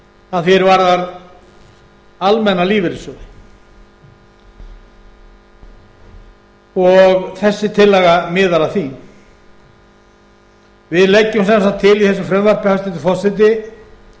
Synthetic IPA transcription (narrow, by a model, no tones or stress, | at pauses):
aðfjɛɾvaɾðaɾ | almɛnːaliːvɪɾɪsʏ | ɔɣθɛsːɪt̪ʰɪlːɛɣamɪːðaɾaθi | vɪðlɛcːʏmsɛmsawt̪ʰːɪliθɛs̬ːʏmfɾɛmvœɾ̥pɪhast̪ɛnt̪ʏfɔ̥sɛt̪̬ɪ